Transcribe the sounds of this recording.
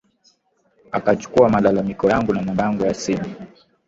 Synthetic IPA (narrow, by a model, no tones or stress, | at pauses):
akat͡ʃu̥kuamalalamikɔjaŋɡunamambaŋɡɔjasimi